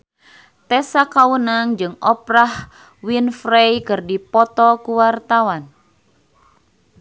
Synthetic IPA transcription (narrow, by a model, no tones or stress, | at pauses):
t̪ɛsakawənaŋd͡ʒɨŋɔpɾah | winfɾejkɨrdipɔt̪ɔkuwart̪awan